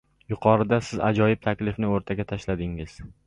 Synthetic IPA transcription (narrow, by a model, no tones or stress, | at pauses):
jʊqʰɒɾɪd̪asɪza̰d͡ʒɒjɪb̚t̪ʰakʲlɪfnɪoɾt̪ʰaɡʲat̪ʰaʃlad̪ɪŋɪz̥